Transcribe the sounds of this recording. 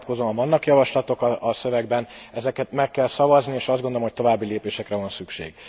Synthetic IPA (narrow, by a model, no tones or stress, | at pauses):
t̪̚ko̞zovɒnːɒkjɒvɒʃlɒt̪o̞kɒɒsø̞vɛɡbɛnɛzɛkɛt̪mɛkːɛlsɒvɒznieːʃɒzd̪ɡod̪olomɦoc̚t̪o̞vaːbːileːpeːʃɛkrɛvɒnsykʃḛːɡ̥